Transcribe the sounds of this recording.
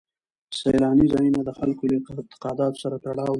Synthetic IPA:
sejlɑnizɑjinad̪əxalkoləɪt̪ɪ̥qɑd̪ɑt̪o̥saɾat̪aɽɑw̪

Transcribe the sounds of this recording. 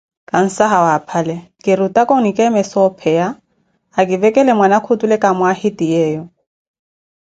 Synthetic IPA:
kʼan̩saɦawapʰalɛkʼɪɾutʼakʼɔnikʼɛmɪsɔpʰɛjaː | kʼɪvɛkʼɛlɛmwanakʰʊtʼulɛkʼamwahɪtijɛːjɔ

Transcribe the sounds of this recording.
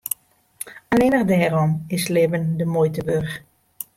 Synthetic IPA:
alɪnəʁdɛːrɔmɪslɪːvəndəmojtəʋørx

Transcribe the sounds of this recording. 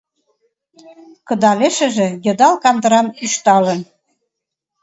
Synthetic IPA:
kɤ̆d̪ɑleʃə̆ʒĕjə̆d̪ɑlkɑnd̪ə̆ɾɑnyʃt̪ɑlə̆n

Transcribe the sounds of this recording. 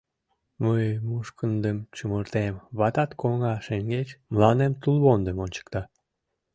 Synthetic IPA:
məjmuʃkənd̪əmt͡ɕumərt̪emβɑt̪ɑt̪koŋɑʃeŋɡet͡ɕmlɑnemt̪ulβond̪əmonʲt͡ɕə̥kt̪ɑ

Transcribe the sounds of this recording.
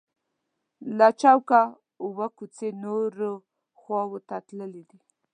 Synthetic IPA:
lat͡ʃawka | ʊwəkut͡senoɾo | xwɑwət̪at̪ləlid̪i

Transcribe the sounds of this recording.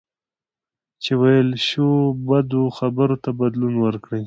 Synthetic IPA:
t͡ʃewajəlʃobad̪oxabəɾot̪abad̪lunwəɾkɽəj

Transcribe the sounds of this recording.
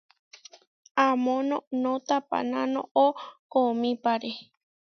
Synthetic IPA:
ãmõnõnõt̪apa̰nãnõ̰okomĩpaɾe

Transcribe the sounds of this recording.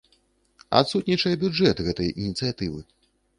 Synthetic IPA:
a̰t̪sut̪nʲit͡ʂɐjɛbʲud͡ʐɛt̪ɣɛt̪ɐjʔinʲit̪sɨjat̪ɨvɨ̰

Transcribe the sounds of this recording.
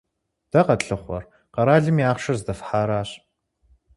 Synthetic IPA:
d̥ɐqɐtɬɨχʷɔ̰r | qɐɾaːɮɨmjaːχʃɐrzdɐfħaːɾaːɕ

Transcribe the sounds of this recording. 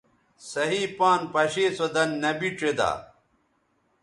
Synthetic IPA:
sɐɦĩpaːnpɐɕeːsod̪ɐnːɐbiʈ͡ʂed̪a̰ː

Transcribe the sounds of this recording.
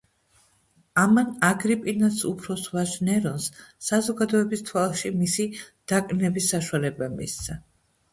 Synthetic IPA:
amanaɡɾipʼinasṵpʰɾɔsvaʒnɛɾɔnsːazɔɡad̪ɔɛbist̪ʰwalˠʃimisid̪̥akʼnɛbisːaʃuwalɛbamḭst̪sʰa

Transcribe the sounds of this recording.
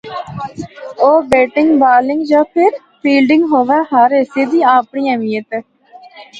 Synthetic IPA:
oːbeːʈɪŋɡbaːlɪŋɡd͡ʒãːpʰɪɾ | pʰiːlɖɪ̃ŋɡɦoːʋaːɦaːɾeːseːd̪iːaːpɳiːãːʋiːət̪ɛː

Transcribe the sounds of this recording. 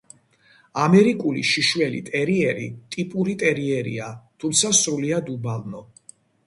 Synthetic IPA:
amɛɾikʼulḭʃiʃwɛlḭt̪ʼɛɾiɛɾḭt̪ʼipʼuɾit̪ʼɛɾiɛɾḭat̪ʰumt̪sʰasɾuliad̪ubalˠnɔ

